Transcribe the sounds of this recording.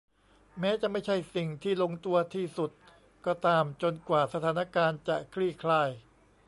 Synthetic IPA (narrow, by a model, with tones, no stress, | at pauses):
mɛː˦˥t͡ɕa˨˩ʔma˥˩jt͡ɕʰa˥˩jsi˨˩ŋt̪ʰiː˥˩lo˧ŋt̪u˧ɐt̪ʰiː˥˩su˨˩t̪̚ | kɔː˧˩t̪aː˧˩mt͡ɕo˧nkwaː˨˩sa˧t̪ʰaː˩˦na˧˥˧kaː˧nt͡ɕa˨˩kʰɾiː˥˩kʰlaː˧˩j